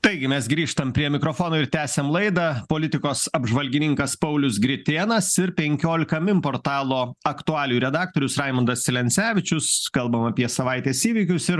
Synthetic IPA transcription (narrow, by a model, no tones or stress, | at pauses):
t̪ɐɪɡʲɪmʲɛsɡɾʲiːʃt̪ɐmpʲɾʲiɛmʲɪkɾoːfoːnoːɪɾt̪ʲæːsʲemlˠɐɪd̪ɐːpoːlʲɪt̪ʲɪkoːsɐbʒʋɐlʲɡʲɪnʲɪŋkɐspɐʊlʲʊsɡɾʲɪt̪ʲeːnɐsɪɾpʲɛŋʲkʲoːlʲɪkɐmʲɪmpoːɾt̪ɑːlˠoːɐkt̪ʊɑːlʲɪjuːɾʲɛd̪ɑːk̚t̪oːɾʲʊsɾɑɪmɐnd̪ɐsʲsʲɪlʲɛnʲsʲæːʋʲɪt͡ʃʲʊskɐlˠbɐmɐpʲiɛsɐʋɐɪt̪ʲeːsiːʋʲiːkʲʊsɪɾ